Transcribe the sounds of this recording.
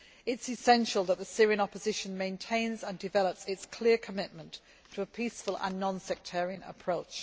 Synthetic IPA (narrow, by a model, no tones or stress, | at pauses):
ɪtsɪsɛ̃nʃəlˠðəʔðəsɪəɹiə̃nɒpəzɪʃə̃nmẽɪ̃ntʰẽɪ̃nzə̃ndɪvɛləpsɪtskʰl̥ɪəkʰəmɪʔmə̃ntʰ | əːpʰiˑsfəlˠʔə̰̃nːɒ̃nsɛk̚tʰɛːɹiə̃nə̰pʰɹ̥oʊt͡ʃ